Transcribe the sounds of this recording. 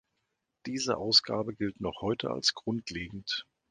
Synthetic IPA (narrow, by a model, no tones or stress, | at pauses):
d̥iːzə̰ʔaʊsɡ̥a̰ːbəɡɪltnɔχhɔʏtʰə̰a̰lsɡ̥ʁʊntleːɡŋ̩t